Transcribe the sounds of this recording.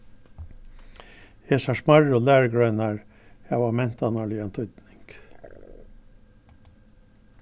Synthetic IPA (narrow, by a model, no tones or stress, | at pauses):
eːsɑʂmɑɹoːlæːɾəɡɾœʏnɑɹ | jæʋɑːmɛnt̪ɑnɑɭiːɑnt̪ʰʏd̪nɪŋɡ̥